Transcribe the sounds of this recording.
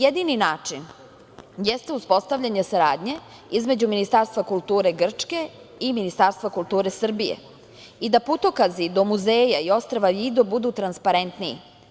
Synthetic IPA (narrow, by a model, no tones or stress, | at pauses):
jed̪ininaːt͡ʂin | jest̪euspo̞st̪aʋʎʲaɲesaɾaːd̪ɲe̞ | izme̞d͡ʑuminist̪aːɾst̪ʋakulˠt̪uːɾeɡr̩t͡ʂke̞ | iminist̪aːɾst̪vakulˠt̪uːɾesr̩bijḛ | id̪aput̪okazid̪o̞muzeːjaio̞st̪ɾaʋaʋiːd̪obud̪ut̪ɾanspaɾent̪niḭ